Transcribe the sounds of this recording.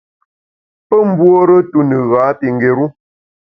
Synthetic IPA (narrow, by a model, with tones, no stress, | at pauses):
pə˦m̩˦bwo˦ɾə˦tu˦nə˨ɣaː˨˦pi˨ŋ˨ɡe˨ɾu˦